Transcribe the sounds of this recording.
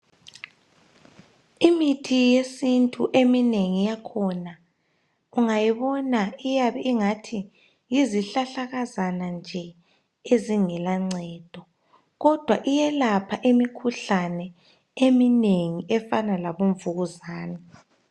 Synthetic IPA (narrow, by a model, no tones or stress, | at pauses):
imitʰijesintʼuʔemineŋijakʰɔna | uŋajiβɔnaijaβɛiŋatʰi | jiziɬaɬaɣazanand͡ʒʱɛ | eziŋɛlaŋ͡ǀʱɛːd̥ʱɔ | ɣɔd̥ʱwaʔijɛlapʰaʔemikʰuɬanɛ | emineŋiʔɛfanalaβoɱvuɣuzaːnɛ